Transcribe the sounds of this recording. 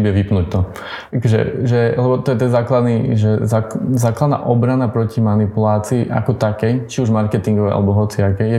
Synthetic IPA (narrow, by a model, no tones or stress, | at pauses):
bɛʋipnuːct̪ɔ | akɔʒɛ̰ʒɛlɛbɔt̪ɔjɛt̪ɛnzaːklad̪niʒɛzazaːklad̪na̰ʔɔbɾanapɾɔcimanipulaːt͡siːʔa̰kɔt̪akɛjt͡ʃiuʒmaɾkɛt̪iŋɡɔʋɛʔa̰lɛbɔɦɔt͡siakɛjɛ